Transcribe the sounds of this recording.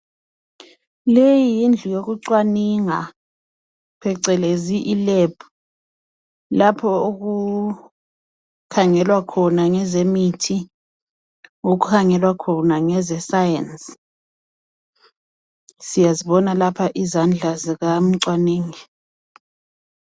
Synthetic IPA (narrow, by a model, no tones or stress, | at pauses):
lejiijind͡ɮʱujok̬uǀwaniŋa | pʰɛǀɛleziʔileb̥ʰu | lapʰɔok̬u | kʰaŋɛlwakʰɔnaŋɛzemitʰi | ok̬ukʰaŋɛlwakʰɔnaŋɛzɛsajɛns | sijaziɓɔnalapʰaʔizand͡ɮʱazik̬am̩ǀwaneːŋi